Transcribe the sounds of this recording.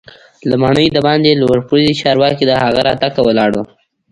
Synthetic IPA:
lamɑɳəjd̪abɑnd̪elwəɾpuzit͡ʃɑɾwɑkid̪əhaɣaɾɑt̪akawəlɑɽd̪a

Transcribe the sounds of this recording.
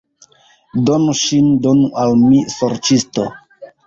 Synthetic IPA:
donuʃindonuʔalmisoɾt͡ʃisto̰

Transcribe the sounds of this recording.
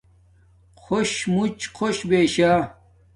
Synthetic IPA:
xʰoɕmut͡ɕqʰoɕbeːɕaː

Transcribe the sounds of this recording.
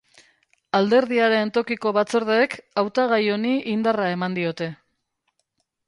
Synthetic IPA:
ald̪e̞ɾðiaɾe̞nt̪o̞kiko̞βat͡so̞ɾð̞e̞ːkawt̪aɣ̞ajo̞niind̪arae̞mand̪io̞t̪e̞

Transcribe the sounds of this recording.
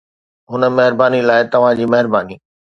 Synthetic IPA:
ɦʊnəmɐɦɪɾbaːnilaːɪt̪ɐʋ̤ãd͡ʑiːmɐɦɪɾbaːniː

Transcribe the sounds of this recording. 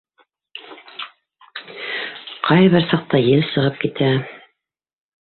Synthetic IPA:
qʰɑjβɘɾsɑq̚t̪ɑjɘlsɤ̆ʁɤp̚kit̪ʰæ

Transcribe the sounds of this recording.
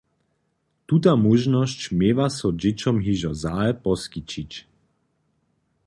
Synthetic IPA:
t̪ut̪amuʒnɔscmeːvasɔd͡ʒɪt͡ʃɔmɦiʒɔzaɛpɔskit͡ʃit͡ʃ

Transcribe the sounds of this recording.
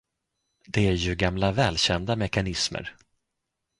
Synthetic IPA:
d̪ɛæɾjɵɡamlavɛːlɕɛnd̪amɛkanɪsmə̰ɾ

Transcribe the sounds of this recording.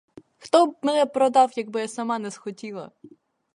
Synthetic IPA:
xt̪ɔbmɛnɛpɾɔd̪ɑwjɐɡ̚bɪjasɐmɑnɛz̥xɔtʲilˠɐ̰

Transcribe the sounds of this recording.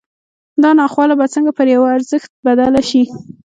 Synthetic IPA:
d̪ɑnɑxwɑlabɑt͡səŋɡapəɾjawaːɾzəxt̪̚bad̪alaʃi

